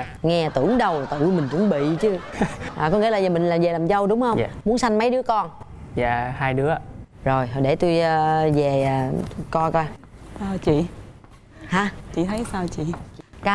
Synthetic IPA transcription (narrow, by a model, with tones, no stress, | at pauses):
ŋɛ˧t̪ɨ˧˩˨əŋɗə˨˩wt̪ɨ̰˧˨mï˨˩ŋ̟t̪ṵ˧˦əŋɓḭ˧˨t͡ɕɨ˧˦ʔaː˨˩kɔ˨˦˥ŋi˧˥˦laː˨˩zaː˨˩mï˨˩ŋ̟laː˨˩mzɛː˨˩laː˨˩mzə˧wɗʊ˨˦wŋ͡mhə˧wmu˨˦ənsa˧jŋmə˨˦jɗɨ˨˦əkɔ˧nza̰ː˧˨˩haː˧jɗɨ˨˦əzo˨˩jɔ˨˩ɗe˧˩t̪u˧jə˧zɛ˨˩ʔəː˨˩kɔ˧kaː˧ʔəː˨˩t͡ɕḭ˧˨ | haː˨˦t͡ɕḭ˧˨t̪ʰə˨˦jsaː˧wt͡ɕḭ˧˨kaː˨˦